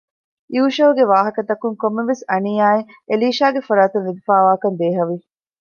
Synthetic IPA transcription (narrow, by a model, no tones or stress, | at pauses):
juːʃɐɦuɡeʋaːɦɐkɐt̪ɐkuŋkomːeʋesɐniːaːi | eliːʃaːɡefɐɾaːt̪unːid̪ifaːʋaːkɐnd̪eːɦɐʋi